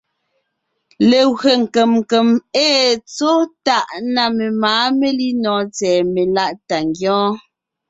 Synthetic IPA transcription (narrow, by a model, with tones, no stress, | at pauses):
le˨ɣɰe˨ŋ̩˨ke˨m˨ke˨meː˦t͡so˦ta˦˨ʔna˨me˨maː˨˦me˦li˦nɔː˨˦t͡sɛː˨me˨la˦˨ʔta˨ŋɡjɔ̃ː˦